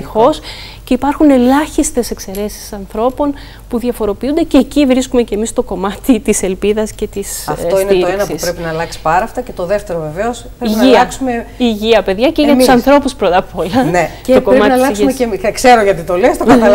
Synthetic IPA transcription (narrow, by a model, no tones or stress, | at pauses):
ixo̞s | ce̞ipɐɾxune̞lɐçist̪e̞se̞kse̞ɾe̞si̥sɐnθɾo̞po̞n | puðʝɐfo̞ɾo̞piund̪e̞ceːcivɾiskume̞ce̞mist̪o̞ko̞mɐt̪it̪iselpiðɐsce̞t̪isɐt̪oinet̪oenɐsuspɾe̞pinɐːlɐkksi̥pɐɾɐft̪ɐce̞t̪oðe̞ft̪e̞ɾove̞veospɾeiiʝniɐɐksumeiʝiɐpe̞ðʝɐceʝɐt̪usɐnθɾo̞puspɾo̞t̪ɐpʰolɐneceokoɾmɐt̪inɐllɐeumeemikseɾoʝɐt̪it̪o̞lest̪okɐɐl